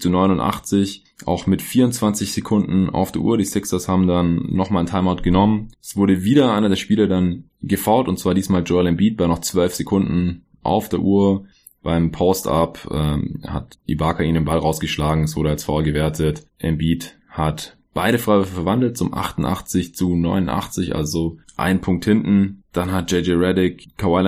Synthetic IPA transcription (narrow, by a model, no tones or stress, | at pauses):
t͡sunɔʏnʊntʔa̰χt͡sɪç | ʔa̰ʊxmɪtfiːɐʊnt͡sv̥ant͡sɪçz̥ekʰʊndn̩a̰ʊfd̥eːɐʔṵːɐɾiːsɪksɐshaːbm̩danːɔχmaːlntʰaɪmatɡ̥ənɔmənɛsv̥ʊɐdəviːɾɐʔaɪnɐdeːɐʃpiːlɐdan | ɡəfaʊtʊntt͡sv̥aːɐdiːsmaːld͡ʒɔɪlɛmbiːt̚b̥anɔχt͡sv̥œlfz̥ekʰʊndn̩ | ʔa̰ʊfd̥eːɐʔuːɐ | b̥aɪmpʰɔːsta̰pʔɛ̰ːha̰tʔḭbaːkʰaʔiːmndeːnbalʁaʊsɡ̥əʃlaːɡŋ̩ɛsv̥ʊɐɾəalsfɔʊɐɡəvɛɐtʰətʔɛ̰mbiːt | hat | b̥aɪɾəfʁ̥aɪvʏɐfəfɛɐvandl̩t̚t͡sʊmʔa̰χtn̩ʔa̰χt͡sɪçt͡sunɔʏnʊnʔa̰χt͡sɪçʔa̰lzoʔa̰ɪnpʰʊŋk̚thɪntn̩d̥anɦat̚d͡ʒ̥ɛɪd͡ʒeʁɛdɪkʰːawaɪl